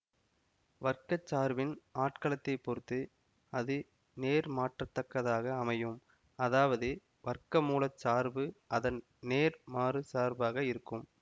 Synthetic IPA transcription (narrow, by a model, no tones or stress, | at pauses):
ʋɐrkɐt͡ʃːaːɾʋɪnaːʈkɐlɐt̪ːɐɪpːɔɾɯt̪ːɯ | ɐðɯ | neːɾmaːʈrɐt̪ːɐkːɐðaːɣɐːmɐjɯm | ɐðaːʋɐðɯ | ʋɐrkɐmuːlɐt͡ʃːaːɾbɯɐðɐn | neːɾmaːrɯsaːɾbaːɣɐɪɾɯkːɯm